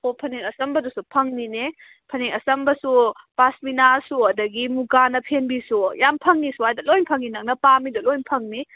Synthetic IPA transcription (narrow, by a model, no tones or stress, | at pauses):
opʰɐneŋɐsɐmbɐdusupʰɐŋnine | pʰɐneŋɐsɐmbɐsu | pasminasuɐdɐɡimuɡanɐpʰenbisujampʰɐŋnisuhajdɐlojnpʰɐŋinɐk̚nɐpamidɐlojnpʰɐŋni